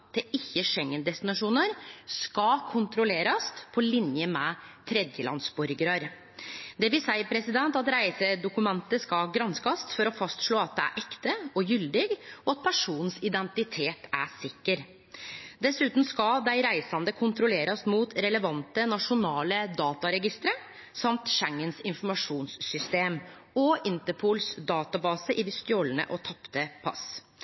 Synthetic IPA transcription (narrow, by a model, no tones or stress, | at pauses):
d̪ɛɪçːəʂɛŋːənd̪ɛst̪ɪnɑʂuːnəɾskɑkʰʊnt̪ɾʊleːɾɑst̪pʰɔlɪnjəmɛt̪ʰɾɛd̪jəlɑ̰nsbɔɾɡəɾɑɾ | d̪ɛʋɪsæɪəɾpʰɾɛsɪd̪ɛnt̪ɑt̪ɾæɪsəd̪ʊkʉmɛnt̪əskɑɡɾɑnskɑst̪fɔɾɔfɑst̪ʂɭoːɑt̪̚d̪ɛæ̰ɾʔɛkt̪əɔjʏld̪ɪɡɔɑt̪̚pʰæʂuːnn̩sɪd̪ɛnt̪ɪt̪ʰeːt̪æsɪkːəɾ | d̪ɛsʉːt̪n̩skɑd̪æɪɾæɪsɑnd̪əkʰʊnt̪ɾʊleːɾɑsmuːt̪ɾɛləʋɑnt̪ənɑʂʊnɑːləd̪ɑːt̪ɑɾɛɡɪst̪ɾə | sɑmt̪ʃæŋːənsɪnfɔɾmɑʂuːnsːʏst̪eːm | ɔɪnt̪əpʰuːlsd̪ɑːt̪ɑbɑːsəʔɪd̪ɪst̪ɪoːlənə̰ʔɔt̪ʰɑpt̪əpʰɑ̰s